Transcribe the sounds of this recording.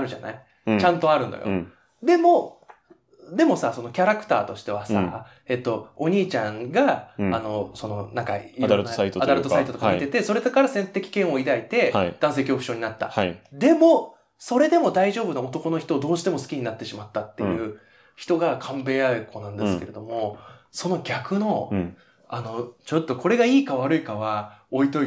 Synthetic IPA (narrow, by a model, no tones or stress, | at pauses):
aɾɯ̟ʑa̰na̰i | t͡ɕãnt̪o̞aɾɯ̟̃nːo̰jo̰ | d̪e̞mo̞ | d̪e̞mo̞saso̞no̞kʲaɾakɯ̟̥t̪aːt̪o̞ɕi̥t̪e̞βasa̰ | e̞t̪ːo̞oɲ̟iːt͡ɕãŋɡaːno̞so̞no̞nãŋka̰iɾɾsait̪ad̪aɾɯt̪oaait̪ot̪okait̪e̞t̪eso̞ɾe̞d̪akaɾasẽnt̪e̞kʲi̥kẽɰ̃o̞id̪ait̪e̞d̪̥ãɰ̃s̬e̞ːkʲo̞ːkɯ̟̥ɕo̞ːɲinat̪ːa̰ad̪e̞mo̞ | so̞ɾe̞d̪e̞mo̞d̪aiʑo̞ːbɯ̟noot̪o̞ko̞no̞çi̥t̪o̞ːd̪o̞ːɕi̥t̪e̞mo̞sɨ̥kʲiɲ̟inat̪ːe̞ɕimat̪ːat̪ːe̞jɯ̟ː | çi̥t̪o̞ɡakʰãmbe̞ːaɯko̞nãnd̪esɨ̥ke̞ɾe̞d̪o̞mo̞so̞no̞ɡʲakɯ̟no̞ | ano̞t͡ɕo̞t̪ːo̞kʰo̞ɾe̞ɡaiːkaβaɾɯ̟ikaβao̞it̪o̞i